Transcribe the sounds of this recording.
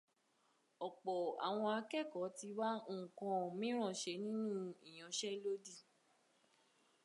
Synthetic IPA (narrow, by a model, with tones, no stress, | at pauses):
ɔ˨k͡pɔ˨a̰˨w̃ɔ̃˧a˧kɛ˦˨kɔ˨˦ti˧wa˦ŋ̩˦˨kɔ̃˧˨mĩ˦ɾ̃ɔ̃˦˨ʃe˧˦nĩ˦nũ˦i˨j̃ɔ̃˨˦ʃɛ˦lo˦di˦˨